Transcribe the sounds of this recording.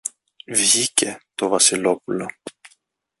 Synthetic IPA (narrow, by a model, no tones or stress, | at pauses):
vʝicet̪ovɐsilopulo